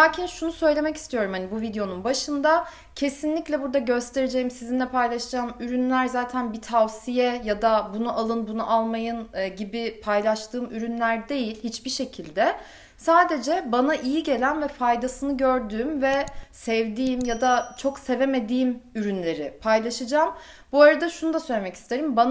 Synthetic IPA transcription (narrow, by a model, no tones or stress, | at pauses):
lʲaːcʰinʃunusø̞jlʲe̞mɛci̥st̪ʰijo̞ɾumhanibuvid̪ejo̞nunbaʃɯnd̪a | cʰe̞sinlʲiclʲɛbuɾd̪aɟø̞st̪ʰe̞ɾed͡ʒe̞jimsizinlʲɛpʰajlˠaʃd͡ʒaːmyɾynlʲæɾzaːt̪ʰænbit̪ʰavsijɛjad̪abunuʔalˠɯnbunuʔalˠmajɯnɟibipʰajlˠaʃt̪ʰɯːmyɾynlʲæɾd̪e̞jilʲhit͡ʃbiʃe̞cʰilʲd̪ɛ | saːd̪e̞d͡ʒɛbanaʔijiɟe̞lʲænvɛfajd̪asɯnɯɟø̞ɾd̪yːmvɛsɛvd̪iːmjad̪at͡ʃʰo̞kse̞ve̞me̞d̪iːmyɾynlʲe̞ɾɪpʰajlˠaʃɯd͡ʒaːm | buaɾad̪aʃunud̪asø̞jlʲemɛci̥st̪ʰe̞ɾimban